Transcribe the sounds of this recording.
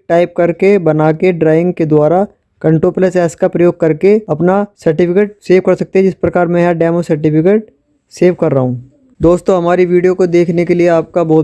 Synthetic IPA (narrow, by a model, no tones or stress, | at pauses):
ʈaːɪp̚kɐɾkebɐnaːkeɖɾaːɪ̃ŋɡ̚ked̪waːɾa | kɐ̃ɳʈoːpləsɛːskapɾɐjoːɡ̚kɐɾkeɐpnasɐɾʈɪpʰɪkeːʈ̚seːʋkɐɾsɐk̚t̪eɦɛ̃d͡ʒɪspɾɐkaːɾmɛ̃ɦɛɖɛːmosɐɾʈɪpʰɪkeːʈ̚ | seːʋkɐɾːɐɦũː | d̪oːst̪õɦɐmaːɾiʋiːɖijokod̪eːkʰnekelieaːp̚kabɔː